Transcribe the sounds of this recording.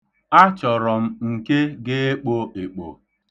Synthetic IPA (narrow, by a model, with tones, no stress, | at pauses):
a˦t͡ʃɔ˨ɾɔ˨m̩˦ŋ̩˨ke˦ɡɪ˦e˦k͡po˦e˨k͡po̰˨